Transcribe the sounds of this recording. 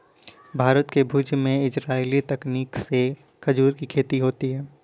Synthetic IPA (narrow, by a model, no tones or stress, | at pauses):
bʱaːɾət̪kebʱuːd͡ʒmẽɪsɾaːilit̪ɐkniːkse | kɐd͡ʒuːɾkikʰeːt̪iɦoːt̪iɦɛː